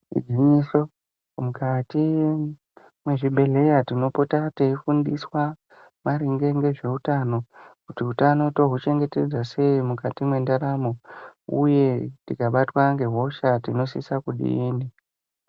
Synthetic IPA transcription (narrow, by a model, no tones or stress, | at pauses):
ḭɡiɲiso | mukati | mwe̞ʐibʱe̞le̞jatino̞potateifundiswa | maɾiŋɡe̞ŋɡe̞ʐe̞utano̞kutiɦutano̞to̞ɦut͡ʃe̞ŋɡe̞te̞d͡zase̞imukatimwe̞ndaɾamo̞ṵje̞tikaɓatwaŋɡe̞ɦo̞ʃatino̞sisakuɗḭiːni